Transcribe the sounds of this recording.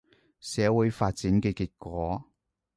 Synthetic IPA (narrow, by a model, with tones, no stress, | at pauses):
sɛː˨˥wuː˨˥jfaː˧t̚t͡siː˨˥nkɛː˧kiː˧t̚kʷɔː˨˥